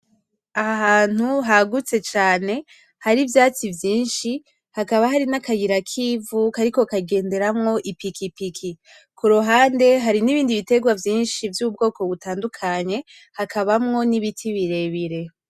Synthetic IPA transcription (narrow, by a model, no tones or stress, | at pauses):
aɦaːn̥uɦaɡut͡se̞t͡ʃaːne̞ | haɾivjaːt͡sivjiːnʃi | hakaβaɦaɾinakajiɾakʰiːvukaɾiko̞kaɡe̞ːnde̞ɾamŋo̞ʔipikipikʰi | kuɾoɦaːnde̞ɦaɾiniβiːndiβite̞ɡwavjiːnʃivjubɡo̞ːko̞βutaːndukʰaɲe̞ | hakʰaβamŋo̞niβitʰiβiɾe̞βiɾe̞